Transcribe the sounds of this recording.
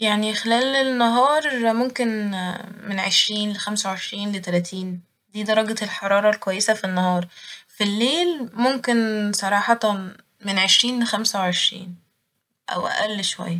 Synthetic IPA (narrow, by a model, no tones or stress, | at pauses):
jaʕnixelæːlenːɑɦɑːɾˤmomken | menʕeʃɾiːnlexæmsæweʕeʃɾiːnlet̪ælæːt̪ʰiːn | d̪iːd̪ɑɾˤɑɡeelħɑɾˤɑːɾˤɑlkwæjːesæfinːɑhɑːɾˤfilːeːlmomkensˤɑɾˤɑːħɑt̪ | menʕeʃɾiːnlexæmsæweʕeʃɾḭːn | ʔæ̰wʔæ̰ʔælːʃowæ̰jːæ